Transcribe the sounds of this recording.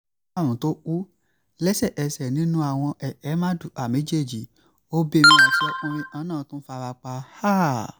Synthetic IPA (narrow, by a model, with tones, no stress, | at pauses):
a˦˨ɾ̃ũ˨to˦u˦ | lɛ˦sɛ˦˨ʔɛ˧sɛ˨nĩ˨˦nũ˦a˦˨w̃ɔ̃˧ʔɛ˨ʔɛ˨˦mã˦du˦˨ʔa˨mẽ˨˦d͡ʒe˦˨d͡ʒi˨ | o˦be˧˨mĩ˧a˨ʃɛ˦o˧ɾ̃ĩ˧ʔã˦nãː˦˨˦tũ˦fa˧ɾa˧k͡pa˧ha˦˨